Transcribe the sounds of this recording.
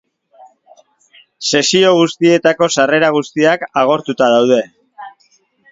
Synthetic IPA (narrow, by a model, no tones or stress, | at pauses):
se̞sio̞ɣ̞ust̪ie̞t̪ako̞sare̞ɾaɣ̞ust̪iakaɣ̞o̞ɾt̪ut̪aðawð̞e̞